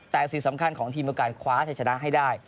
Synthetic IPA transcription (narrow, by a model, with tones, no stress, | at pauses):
t̪ɛː˨˩si˨˩sa˩˦mkʰa˧nkʰɔː˩˦ŋt̪ʰiː˧miː˧wkaː˧˩nkʰwaː˦˥t͡ɕʰa˧˩t͡ɕʰna˦˥ʔɦa˥˩jdaː˥˩j